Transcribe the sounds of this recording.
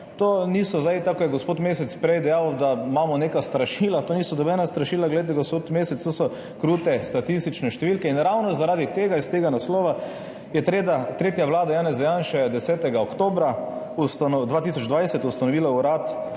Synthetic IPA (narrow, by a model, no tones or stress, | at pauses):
t̪oːnisɔzajt̪akɔjɛɡɔspoːt̪meːsɛt̪spɾɛjd̪ɛjawd̪amamɔnekast̪ɾaʃiːlat̪oːniːsɔd̪ɔbɛnast̪ɾaʃiːlaɡlɛet̪ɛɡɔspot̪meːsɛt̪st̪oːsɔ | kɾuːt̪ɛst̪at̪ist̪it͡ʃnɛʃt̪ɛʋilkɛinɾawnɔzaɾaːd̪it̪eːɡaist̪eːɡanasloːʋa | jɛt̪ɾeːd̪at̪ɾeːt̪jaʋlaːd̪ajaːnɛzajanʃɛd̪ɛsɛːt̪ɛɡaɔkt̪oːbɾa | ust̪anɔd̪ʋaːt̪isɔd͡ʒd̪ʋajsɛt̪ust̪anɔʋiːlauɾat̪